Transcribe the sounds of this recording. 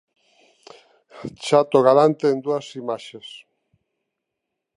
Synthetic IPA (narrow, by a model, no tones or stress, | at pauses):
t͡ʃat̪oɣaɾant̪eːnd̪uasimaʃes